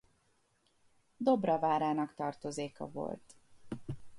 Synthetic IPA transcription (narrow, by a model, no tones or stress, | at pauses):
d̪o̞brɒvaːɾaːnɒkt̪ɒrt̪o̞zeːkɒ̰vo̞̰lt̪